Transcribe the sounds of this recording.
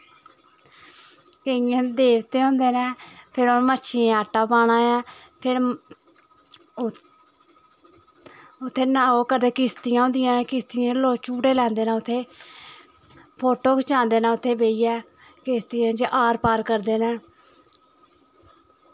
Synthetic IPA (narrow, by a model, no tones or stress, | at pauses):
kəɪjãːd̪eːʋt̪eːɦõːnd̪eːnɛ̃ːpʰɪɾoːmətːʃʰiẽaːʈːaːpaːɽ̃ãːɛ̃ː | pʰɪɾ | ʊt̪ʰːeːnaoːkəɾd̪eːkɪst̪ɪjãːõnd̪ɪjãːkɪst̪ɪjãːloːt͡ʃuːɽeːlɛ̃ːnd̪eːnãːʊt̪ʰːeː | pʰoːʈoːkt͡ʃãːnd̪eːnãːʊt̪ʰːeːbeːiːɛː | kɪst̪ɪjãːd͡ʒeʔaːɾpaːɾkəɾd̪eːnɛː